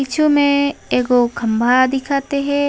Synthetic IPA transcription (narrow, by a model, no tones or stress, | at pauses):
it͡ʃʰumẽeːɡokʰɐ̃mbʱad̪ɪkʰaːt̪eɦɛ̃